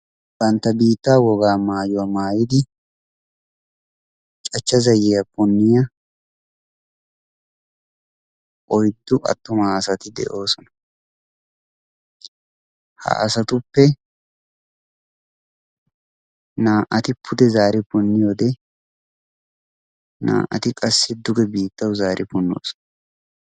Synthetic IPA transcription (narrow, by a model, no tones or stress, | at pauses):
b̥ɐnt̪ːɐbiːt̪ːaːwɔɡaːmaːjʊwɐmaːjɪd̪ɪ | t͡ʃt͡ʃʼɐt͡ʃːɐzɐjɛjɐbʊnːɪjɐ | ʔɔjd̪ːʊʔɐ̰t̪ːʊmaɐsɐt̪ɪd̪ɛ̰ʔo̞ːsɔnɐ̥ | ha̰ːsɐt̪ʊpːɛ | naːʔɐt̪ɪpʰʊd̪ɛzaːɾɪpʊnːɪjoːd̪ɛ | na̰ːʔɐ̰t̪ɪkʼɐsːɪd̪ʊɡɛbiːt̪ːɐwzaːɾʔɪpʊnːo̰ːsɔ̥nɐ